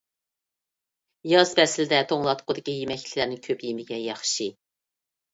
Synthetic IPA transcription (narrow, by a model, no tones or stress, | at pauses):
jɑzbɛsɪlɪd̪ɛt̪ʰoŋlˠɑt̪qʰʊd̪ɪkʲijemɛkʲt̪ʰɪlæɾnɪŋkʲʰøpjemɪɡʲɛjɑχʃi